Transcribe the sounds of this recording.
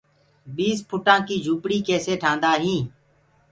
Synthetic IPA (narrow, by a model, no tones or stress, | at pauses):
ɓiːspʰʊʈãːkiːd͡ʒʱuːpɽiːkeːseːʈʰãːnd̪aːɦĩː